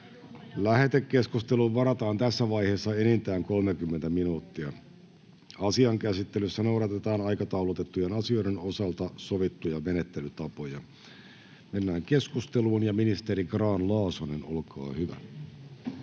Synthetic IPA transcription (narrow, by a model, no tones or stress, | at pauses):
læhe̞t̪ekːe̞skust̪e̞luʋʋɑɾɑt̪ɑːnt̪æsːæʋɑjheːsːɑenint̪æːŋko̞lmekymːent̪æminuːt̪ːiɑ | ɑsiɑŋkæsit̪ːelysːænowɾɑt̪et̪ɑːnɑjkɑt̪ɑwlut̪e̞t̪ːujenɑsioiɾeno̞sɑlt̪ɑsoʋit̪ːujɑmenet̪ːe̞lyt̪ɑpo̞jɑ | me̞nːæːŋke̞skust̪eluːnjɑminist̪eɾiɡrɑːnlɑːsoneno̞lkɑ̰ːhyʋæ̰